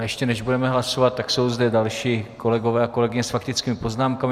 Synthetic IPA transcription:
jɛʃcɛnɛʒbudɛmɛɦlaso̞vat̪̚tːakso̞wzdɛdalʃiːko̞lɛɡo̞vɛːako̞lɛɡɪɲɛsfak̚t̪ɪt͡skiːmɪpo̞znaːmkamɪ

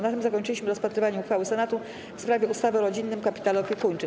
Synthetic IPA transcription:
nat̪ɘmzakɔɲt͡ʂɘlʲiɕmɘɾɔspat̪ɾɘvaɲɛuxfawɘsɛnat̪u | fspɾavʲjɛust̪avɛɾɔd͡ʑinːɘmkapʲi̥t̪alɔpʲjɛkuɲt͡ʂɘ

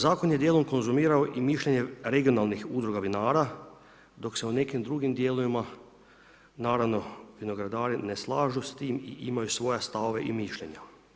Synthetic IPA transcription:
zaːkonjed̪je̞ːlo̞mko̞nzumiːɾaoʔimiʃʎeɲe̞ɾe̞ɡio̞naːlˠnixud̪ɾoɡaʋinaːɾa | d̪o̞kse̞une̞kimd̪ɾuɡimd̪jeːloʋima | naːɾaʋno̞ʋino̞ɡɾad̪aːɾine̞slˠaːʒust̪iːmiʔimajusʋo̞jest̪aʋoʋeʔimiʃʎe̞ɲa

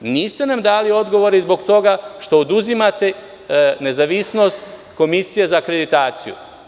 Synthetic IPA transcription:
niːst̪e̞namd̪aːlio̞d̪ɡo̞ʋo̞ɾeizbo̞ɡt̪o̞ɡaʃt̪o̞ːd̪uzimat̪e̞ | ne̞zaʋisno̞st̪ | ko̞misije̞zakɾe̞d̪it̪aːt̪sijṵ

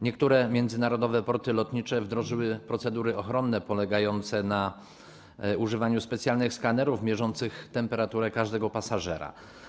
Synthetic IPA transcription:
ɲɛkt̪uɾɛmʲjɛnd̪zɘnaɾɔd̪ɔvɛpɔɾt̪ɘlɔt̪ɲit͡ʂɛvd̪ɾɔʐɘwɘpɾɔt̪sɛd̪uɾɘɔxɾɔnːɛpɔlɛɡajɔnt̪sɛna | uʐɘvaɲuspɛt̪sjalnɘxskanɛɾuvmʲjɛʐɔnt̪sɘxt̪ɛmpɛɾat̪uɾɛkaʐd̪ɛɡɔpasaʐɛɾa̰

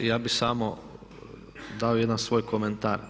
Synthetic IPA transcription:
jaːbisaːmo | d̪aːojed̪ansʋoːjkʰoment̪aːɾ

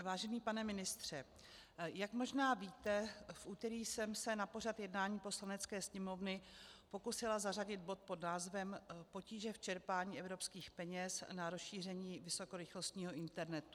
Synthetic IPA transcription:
vaːʒɛniːpanɛmɪnɪst̪r̝̥ɛ | jakmo̞ʒnaːviːt̪ɛfʔuːt̪ɛɾiːsɛmsɛnapo̞r̝at̪jɛdnaːɲiːpo̞slanɛt͡skɛːsɲɛmo̞vnɪpo̞kusɪlazaraɟɪd̪̚bo̞t̪̚po̞dnaːzvɛmpo̞ciːʒɛft͡ʃɛɾpaːɲiːʔɛvɾo̞pskiːxpɛɲɛsnaɾosʃiːr̝ɛɲiːvɪso̞ko̞ɾɪxlo̞st̪ɲiːɦo̞ʔɪnt̪ɛɾnɛt̪u̥

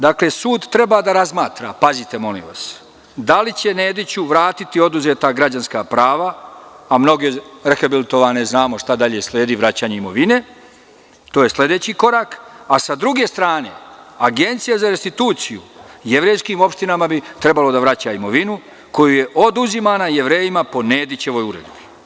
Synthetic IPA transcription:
d̪akle̞suːd̪t̪ːɾe̞bad̪aɾazmaːt̪ɾa̰pazit̪e̞mo̞lḭmʋa̰s | d̪alit͡ɕe̞neːd̪it͡ɕuʋɾaːt̪it̪io̞d̪uze̞ːt̪aɡɾad͡ʑanskapɾaːʋaːmno̞ɡeɾexabilit̪o̞ʋaneznaːmo̞ʃt̪ad̪aʎe̞slʲe̞ːd̪iʋɾat͡ɕaːɲe̞imo̞ʋine | t̪oje̞sle̞d̪e̞t͡ɕiko̞ɾakasad̪ɾuɡe̞ːst̪ɾaːne̞̰aɡe̞nt̪sijazaɾest̪it̪uːt̪sijujeʋɾe̞jskimopʃt̪inamabit̪ɾe̞balo̞d̪aʋɾat͡ɕaimo̞ʋinu | ko̞juje̞ʔo̞d̪uzimaːnaje̞ʋɾe̞ːjimapo̞neːd̪it͡ɕe̞ʋo̞juɾe̞̰d̪bi

